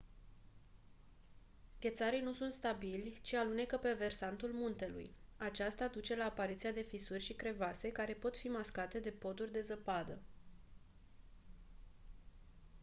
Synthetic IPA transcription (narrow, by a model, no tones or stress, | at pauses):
ɡʲe̞t̪saɾijnusunt̪st̪abilʲt͡ʃialune̞kəpe̞ve̞rsant̪ulmunt̪e̞lṵjat͡ʃast̪ad̪ut͡ʃe̞laːpaɾit̪sijad̪e̞fisurʲʃikɾe̞vase̞kaɾe̞po̞t̪fimaskat̪e̞d̪e̞po̞d̪urʲd̪e̞zəpad̪ə